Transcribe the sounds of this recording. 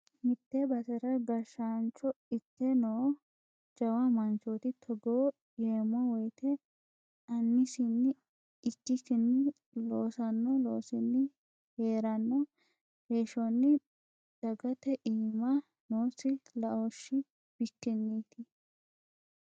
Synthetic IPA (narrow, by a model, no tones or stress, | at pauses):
mɪt̪ːɛbɐsɛɾɐɡɐɾʃaːnt͡ʃːɔɪt̪ːɛnoː | d͡ʒɐwɐmɐnt͡ʃot̪ɪt̪ʰɔɡoː | ɡeːmɔwɔjt̪ʰɛ | ɐnːɪsɪnːɪ | ɪkːɪsɪnːɪ | loːsɐnːɔloːsɪnːɪ | heːɾɐnːɔ | heːʃɔnːɪ | d̪̥ɐɡɐt̪ɛʔiːmɐ | noːsɪlɐʔɔʃːɪ | b̥ɪt̪ːɪnːiːt̪ɪ